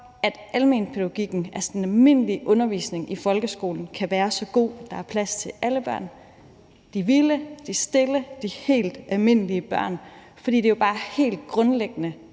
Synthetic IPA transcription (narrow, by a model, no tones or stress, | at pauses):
æd̥ʔælme̝̰ːnpʰe̝dɡɡ̥iɡ̥n̩æɐsɒ̽nælme̝n̰əliʔɔ̽nɐʋḭːsne̝ŋifɒ̽lɡ̥əsɡ̥o̝̰ːln̩kʰæʋæːɐsɒ̽ɡ̥o̝̰ːæd̥ɑ̈æɐpʰlæst͡sʰe̝læləb̥ɶɐ̰n | d̥iʋiləd̥isd̥e̝ləd̥ihe̝̰ːld̥ælme̝n̰əliəb̥ɶɐ̰n | fɒ̽d̥ḭːd̥e̝job̥ɑ̈ːhe̝̰ːld̥ɡ̥ʁɔ̽nleɡ̥ənə